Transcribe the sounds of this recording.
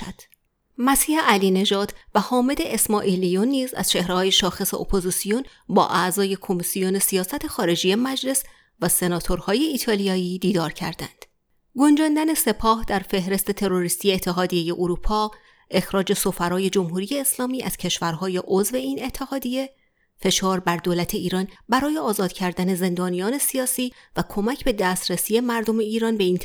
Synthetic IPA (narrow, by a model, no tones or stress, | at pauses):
d̪̥ | mæsiːheʔæliːne̞ʒɒːd̪̥væhɒːme̞d̪e̞esmɒːʔilijonːiːzæ̰z̥t͡ʃʰe̞hɾehɒːje̞ʃɒːxe̞se̞ʔo̰pʰozisijon | bɒ̰ːʔæʔzɒːje̞kʰo̞misijo̞ne̞sijɒːsæt̪ʰe̞xɒːɾe̞d͡ʒije̞mæd͡ʒle̞s | væse̞nɒːt̪ʰo̞ɾhɒːje̞iːt̪ʰɒːlijɒːiːd̪iːd̪ɒːɾcʰæ̰ɾd̪æ̰nd̪̥ | ɡo̞nd͡ʒɒːnd̪æne̞se̞pʰɒːhd̪æɾfe̞hɾe̞st̪e̞t̪ʰe̞ɾo̞ɾist̪ijeːt̪ʰːe̞ɦɒːd̪ije̞je̞ʔoɾuːpʰɒː | ʔe̞xɾɒːd͡ʒe̞so̞fæɾɒːje̞d͡ʒomɦuːɾije̞ːslɒːmiːʔæ̰z̥cʰe̞ʃvæɾɦɒːje̞ʔozve̞iːne̞t̪ʰːe̞hɒːd̪iːje̞ | fe̞ʃɒːɾbæɾd̪oːlæt̪ʰe̞iːɾɒːnbæɾɒːjeɒːzɒːd̪̥cʰæɾd̪æne̞ze̞nd̪ɒːnijɒːne̞sijɒːsiːvækʰo̞mæcʰbe̞d̪æːst̪ɾesiːe̞mæɾd̪o̞me̞iːɾɒːnbe̞iːn